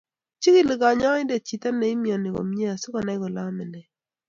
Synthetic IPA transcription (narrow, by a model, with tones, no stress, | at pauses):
t͡ʃi˦ki˦˨lɡa˨ɲɔ˦ɪ˦nde˨t͡ʃi˨t̪a˦nɛ˨˦i˦mi˨ɔ˨nɪ˨ɡo̰˨mɲe˦a˨sʊ˦ka˨nɛ˦ɡɔ˨la˦mɛ˨nɛ˨